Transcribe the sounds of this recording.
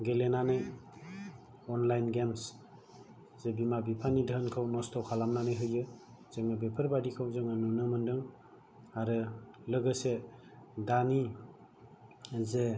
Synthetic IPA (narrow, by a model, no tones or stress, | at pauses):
ɡelenanɯj | ɔnlajnɡems | z̥ebimabipʰanidəɦənkʰawnɔstʰɔwkʰalamnanɯjɦɯjɯ | z̥eŋabepʰɯɾbadikʰawzɯŋanunɯmɯndɯŋ | aɾɯlɯɡɯsedani | ze